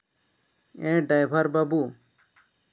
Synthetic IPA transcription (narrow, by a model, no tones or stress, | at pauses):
ẽɖajbʱaɾbabu